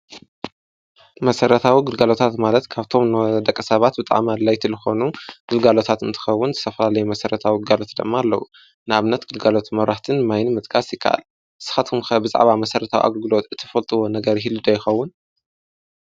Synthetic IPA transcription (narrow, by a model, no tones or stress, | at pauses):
mɐsɐɾɐt̪ʰawiɡɨlɡalo̞t̪ʰat̪malɐt̪kʰaβt̪ʰo̞mnd̪ɐkʼːɐsɐβat̪̚bɨt̪ʼa̰ʕmalːajt̪ʰilɨxo̞nuɡ̥ɨlɡalo̞t̪ʰat̪ɨnt̪ʰɨ̥xɐwːʊnzɨ̥t̪ʰɐfɐlalɐjumɐsɐɾɐt̪ʰawiɨɡalo̞t̪d̪ɨmːaːlːɐ̰wṵ | nɨaβɨnːɐt̪ɡ̥ɨlɡalo̞t̪ʰmɐɾaħt̪ʰɨnmajnɨmɨt̪ʼkʰasjɪkʰːaʔa̰l | sɨ̥xat̪ʰɨmxɐbɨza̰ʕβamɐsɐɾɐt̪ʰawḭʔa̰ɡɐlɡɨlo̞t̪ɨt̪ʰːɨ̥fɐlt̪ʼɨwo̞nɐɡɐɾɦilːud̪ɐjɪxɐwːʊn